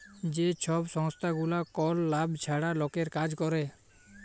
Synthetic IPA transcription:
d͡ʒet͡ʃʰɔbsɔŋst̪ʰaɡulakɔlːabt͡ʃʰaɽalokeɾkad͡ʒkɔɾe

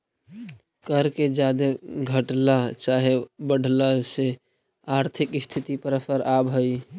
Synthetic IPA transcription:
kəɾked͡ʒad̪eɡʱəʈlat͡ʃaɦebəɽ̤ʱlase | aɾt̪ʰikɪst̪ʰit̪ipəɾəsəɾabɦəj

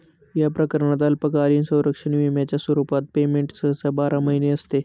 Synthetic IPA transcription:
japɾəkəɾɳəd̪alpəkaɾiːnsə̃w̃ɾəkʂəɳʋimjat͡ɕjaswəɾupat̪̚pemeɳʈsəɦəsabaɾaməɦineəst̪e

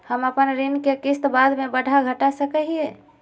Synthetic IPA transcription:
həməpənɾinkekist̪bad̪mebəɽ̤ʱaɡʱəʈasəkəɦie

